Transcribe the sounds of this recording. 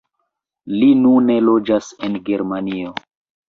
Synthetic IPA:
linune̞lo̞d͡ʒasenɡe̞ɾmanio

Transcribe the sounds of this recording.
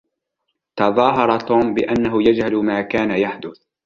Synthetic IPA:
t̪ɑðˤɑːɦɑɾˤɑt̪uːmbɪ̰ʔanːaɦʊjad͡ʒhalmaːkaːnajaħd̪ʊθ

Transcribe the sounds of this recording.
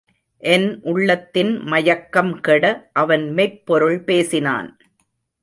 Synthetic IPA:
ʔɛnʔʊɭːɐt̪ːɪnmɐjɐkːɐmkɛɽɐʔɐʋɐnmɛɪpːɔɾɯɭpeːsɪna̰ːn

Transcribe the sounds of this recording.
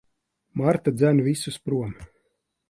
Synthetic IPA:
maɾt̪ad̪zænvisuspɾuɔm

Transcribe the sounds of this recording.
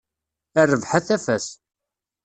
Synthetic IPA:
ærːəvħaθæfæs

